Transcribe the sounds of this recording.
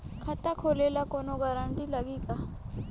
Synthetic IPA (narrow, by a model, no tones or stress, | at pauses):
kʰɐt̪akʰoːleːlakonoɡɐɾãɳɖilɐɡiːka